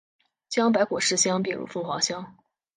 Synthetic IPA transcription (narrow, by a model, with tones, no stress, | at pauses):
t͡ɕjɑ˥ŋp̬a˧˥ɪkwɔ˨˩ʂɻ̩˥˩ɕjɑ˥ŋp̬i˥˩ŋɻṵ˨˧˩fu˥˩ŋxwa˧˥ʊɕjɑ˥ŋ